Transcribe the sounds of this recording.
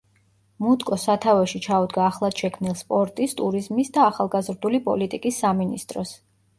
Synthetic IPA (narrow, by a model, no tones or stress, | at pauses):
mud̪kʼɔsat̪ʰavɛʃit͡ʃʰaud̪ɡaːχlˠad̪̥ʃɛkʰmnilˠspʼɔɾt̪ʼist̪ʼuɾizmisd̪aːχalˠɡazɾd̪ulipʼɔ̰lit̪ʼikʼisːaminist̪ʼɾɔ̰s